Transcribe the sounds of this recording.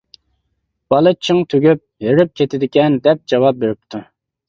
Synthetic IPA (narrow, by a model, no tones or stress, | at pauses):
b̥ɑlˠɨt͡ʃʰɨŋt̪ʰøɡʲyp̚heɾyp̚kʲʰet̪ʰɪd̪ɪkʲɛnd̪ɛp̚d͡ʒɑwɑp̚beɾɪp̚t̪ʰu